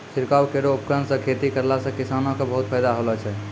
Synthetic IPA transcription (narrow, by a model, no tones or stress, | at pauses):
sʰiɾkawkeɾoupkɾənsə̃kʰet̪ikəɾlasə̃kisanõkebəɦut̪̚pʰəjd̪aɦolɛt͡ʃʰɛ